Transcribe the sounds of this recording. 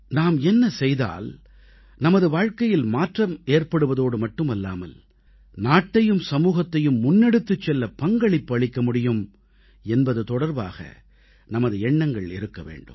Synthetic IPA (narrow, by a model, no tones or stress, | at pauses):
naːmɛnːɐsɛjða̰ːl | nɐmɐðɯʋaːɻkɐjɪlmaːʈrɐmeːrpɐɽɯʋɐðoːɽɯmɐʈːɯmɐlːa̰ːmɐ̰l | naːʈːɐjɯmsɐmuːɣɐt̪ːɐjɯmːʊnːɛɽɯt̪ːɯt͡ʃːɛlːɐpɐŋɡɐɭɪpːɐɭɪkːɐmʊɽɪjɯm | ɛnbɐðɯt̪ɔɽɐɾba̰ːɣɐ̰ | nɐmɐðɯɛɳːɐŋɡɐɭɪ̰ɾɯkːɐʋḛːɳɖɯ̰mm